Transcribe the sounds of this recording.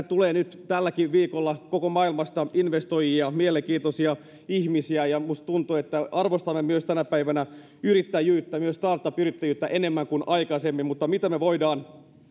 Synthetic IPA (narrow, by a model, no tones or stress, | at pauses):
t̪uleːnyt̪t̪ælːækiʋʋiːkolːɑkokomɑːilmɑst̪ɑinʋest̪ojiɑmieleŋkiːt̪osiɑ | içmisiæjɑmust̪t̪unt̪uet̪ːæɑrʋost̪ɑmːemyøst̪ænæpæiʋænæ | yɾit̪ːæjyːt̪ːæmyøst̪ɑːrt̪ːɑpyɾit̪ːæjyːt̪ːæʔenemːæŋkunʔɑikɑsemːimmut̪ːɑmit̪æmeʋoidɑːn